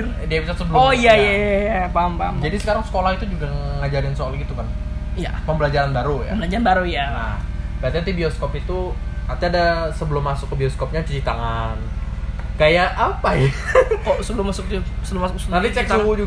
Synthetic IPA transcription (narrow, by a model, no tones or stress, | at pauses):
diabis̬at̪səbəlojajajjapampamd͡ʒadisə̥kaɾaŋsə̥kolahit̪ud͡ʒuɡaŋŋad͡ʒalɪnsoalɡit̪ukanija̰pəmbəlad͡ʒaɾanbaɾujaəbəlad͡ʒaɾanbaɾujanahbaat̪iant̪ibioskɔpit̪ukart̪iadasəbəlʊmːasʊkːəbioskɔp̚ɲat͡ʃəɾit̪aŋan | kajaʔːpajkɔsəbəlʊmasʊk̚usəbəlʊmasʊk̚sənat̪it͡ʃɛk̚t͡ʃuwud͡ʒu